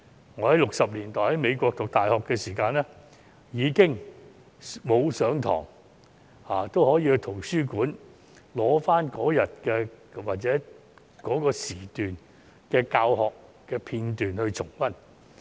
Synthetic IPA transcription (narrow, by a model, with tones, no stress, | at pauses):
ŋɔː˨˧˥hɐ˨˥jlʊ˨k̚sɐ˨p̚liː˨˩nt̪ɔː˨˩hɐ˨˥jme˨˧jkʷɔː˧k̚t̪ʊ˨k̚t̪aː˨jhɔː˨kːɛː˧siː˨˩kaː˧nlɛː˥ | jiː˨˧kɪ˥ŋ | mo˨˧wsœː˨˥ŋt̪ʰɔ̰ː˨˩ŋ | haː˨t̪o˥whɔː˨˥jiː˧hɵ˧t̪ʰo˨˩wsyː˥kuː˨˥n | lɔː˨˥faː˥nkɔː˨˥jɐ˨t̚kɛː˧waː˨t̚t͡sɛː˨˥ | kɔː˨˥kɔː˧siː˨˩t̪yː˨n | kɛː˧kaː˧whɔː˨kː | ɛː˧pʰiː˧nt̪yː˨nhɵ˧ɥt͡sʰʊ˨˩ŋfɐ˥n